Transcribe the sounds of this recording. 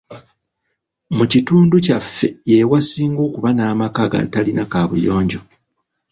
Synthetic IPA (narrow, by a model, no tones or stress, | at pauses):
mucituːnducafːe̞jewasiːŋɡo̞ːkuβanaːmakaːɡa̰talinakaːβṵjo̞ːɲɟo̞